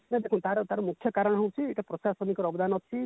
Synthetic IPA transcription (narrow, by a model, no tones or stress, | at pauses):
ned̪ekʰũt̪aɾɔt̪aɾɔmukʰːjɔkaɾɔɽ̃ɔɦewt͡ʃʰieʈapɾɔsasɔnikɔɾɔbd̪anɔt̪ʰi